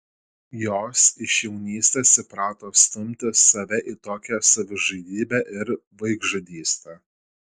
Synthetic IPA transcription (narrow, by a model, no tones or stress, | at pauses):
joːsɪʃjɛʊnʲiːsʲt̪ʲɛːsɪpɾɑːt̪oːst̪ʊmʲt̪ʲɪsɐʋʲɛʔit̪oːkʲɛsɐʋʲɪʒɐd̪ʲiːbʲæːʔɪɾʋɐɪɡʒɐd̪ʲiːsʲt̪ʲɛ